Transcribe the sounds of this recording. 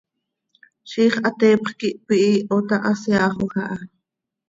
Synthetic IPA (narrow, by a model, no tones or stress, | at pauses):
ʃiːχʔɑt̪eːpχkiʔpiʔiʔot̪ɑʔɑsjɑːχoχɑʔɑ